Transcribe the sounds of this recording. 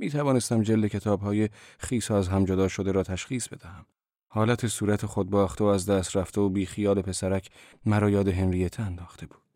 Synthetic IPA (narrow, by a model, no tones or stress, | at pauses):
miːt̪ʰævɒːne̞st̪æmd͡ʒeld̪ecʰe̞t̪ʰɒːbhɒːje̞χiːsɒːæzɦæmd͡ʒod̪ɒːʃod̪eɾɒːt̪ʰæʃχiːsb̥e̞d̪æhæm | hɒːlæt̪ʰe̞suːɾæt̪ʰeχod̪̚bɒːχt̪ʰeoæzd̪æːst̪ɾæft̪ʰe̞obiːxijɒːle̞pʰe̞sæɾæcʰmæɾɒːjɒːd̪e̞ɦenɾijæt̪ʰeænd̪ɒːxt̪ʰe̞bu̥ːd̪̥